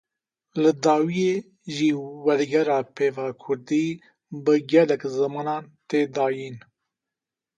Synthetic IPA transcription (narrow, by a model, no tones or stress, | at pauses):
ləd̪ɑːwije | ʒiwaɾɡaɾapevakʰuɾd̪i | bəɡalakzəmanɑnt̪ed̪ɑːjin